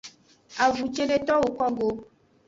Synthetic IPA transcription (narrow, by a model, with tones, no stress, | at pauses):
a˨vu˨t͡ʃe˦ɖe˦t̪ɔ˦wo˨kɔ˦ɡo˦